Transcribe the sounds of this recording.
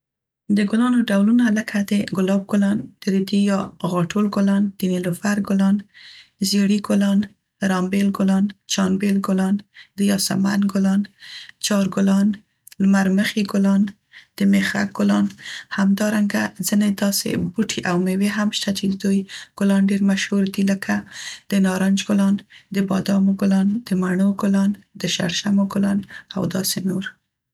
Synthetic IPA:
d̪əɡʊlɑnoɖawlunaləkʰad̪əɡʊlɑb̚ɡʊlɑnd̪̥əɾid̪ijɑɣɑʈʰolɡʊlɑnd̪̥inilofaɾɡʊlɑnzeɽiɡʊlɑn | ɾɑmbelɡʊlɑnt͡ʃɑnbelɡʊlɑnd̪̥əjɑsa̰manɡʊlɑnt͡ʃɑɾɡʊlɑn | lmaɾməxiɡʊlɑn | d̪̥əmexa̰k̚ɡ̥ʊlɑnhamd̪ɑɾaŋɡazəned̪ɑsḛbuʈʰiʔawmeweɦamʃt̪at͡ʃed̪əd̪ujɡ̥ʊlɑnɖeɾmaʃhuɾd̪iləkʰad̪̥ənɑɾɑnd͡ʒɡʊlɑnd̪əbɑd̪ɑmoɡʊlɑnd̪̥əmaɳoɡʊlɑnd̪əʃa̰ɾʃamoɡʊlɑna̰wd̪ɑsenoɾ

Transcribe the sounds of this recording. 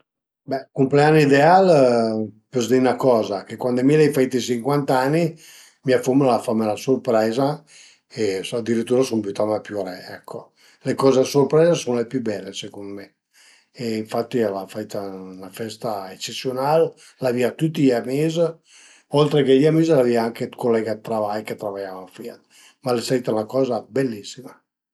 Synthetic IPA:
bɛkumpleanːiːd̪eal | pozd̪inakɔːzakekwand̪emilajfait̪isiŋkwant̪anːi | miafumulalafamelasorpɾɛːza | esad̪ːiɾit̪ːuːɾasumpjut̪amapjuɾɛɛ̰kʰːo | lekɔːzasorpɾɛːzasunolepjubɛlːesekonme | eiɱfat̪ːilafait̪aunafɛst̪aet͡ʃːet̪sːjonalː | aviat̪ut̪ːijamiz | olt̪ɾekeamizlaviaaŋkekolːɛɡat̪ːɾavajket̪ːɾavajavafia̰t̪ | malesait̪aunakɔːzabelːisːima

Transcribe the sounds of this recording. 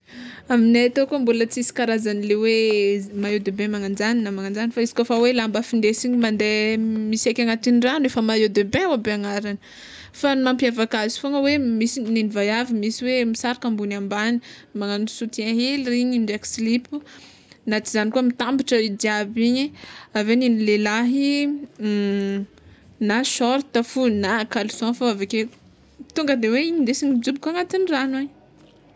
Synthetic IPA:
amineat̪okuəmbulət͡sisi̥kaɾazanilewemaed̪ebemaŋand͡ʒaninamaŋand͡zanifaizi̥kofawelambafind̪esiɲimand̪emisajkʲaŋat̪iniranuefəmaeod̪ebẽawabeaŋaɾanə̥ | famampjavakazi̥foŋəwemisinenivajavimisiwemisaɾakambunambani̥maŋanusut̪iãɦeliriɲiɳɖ͡ʐekslipu | nat̪izanikuəmit̪ambiʈ͡ʂəid̪iabiɲiaveninilelaɦi | naʃɔɾt̪afunakalusɔ̃faaveke | t̪uŋɡəd̪eweiɲind̪esiɲid͡ʒubikuaŋat̪iniranaɲ

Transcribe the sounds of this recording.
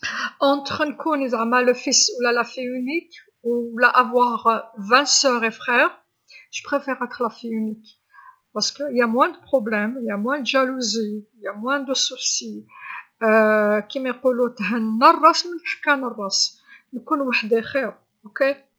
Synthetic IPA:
ʔɑ̃t̪χnkʰunəd̪ʕmæləfiswlælæfiynik | wlæʔavwaʁvɛ̃sœʁefʁɛʁ | ʒ̥ə̥pχefɛʁæt̪ə̥xlæfiynik | pɑʁskəəjæmwɛ̃d̪əpχɔblɛmjæmwɛ̃d̪ʒæluzijæmwæ̃d̪əsusi | kimequlut̪ɦənːɑrˤːɑsmənħḁkːænɑrˤːɑs | nkunwaħd̪exɛʁ | oke

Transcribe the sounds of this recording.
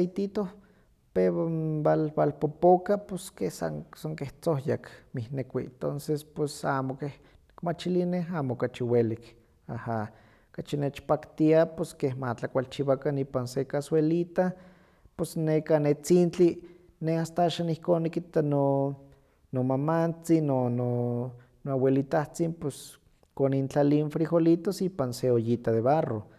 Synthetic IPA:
ejt̪it̪o | peβabalbalpopokaposkehsa̰ŋsaŋkeht͡sohjakmihnekʷit̪onsespwesaːmokeh | nikmat͡ʃilineɦaːmokat͡ʃiwelik | aha | kat͡ʃinet͡ʃpakt̪iaposkehmat͡ɬakʷalt͡ʃiβakaniːpansekaswelit̪a | posnekanet͡sint͡ɬi | neast̪aaːʃaːnihkoːnːikit̪ano | nomamant͡sinono | noawelit̪aht͡simpes | konint͡ɬalianfɾixolit̪osiːpanseojit̪aðeβaro

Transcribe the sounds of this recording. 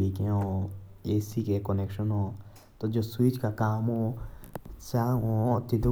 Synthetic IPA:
ikẽõesikekonekʃɔ̃nõ | t̪od͡ʒoswit͡ʃkakamõ | saŋõt̪id̪u

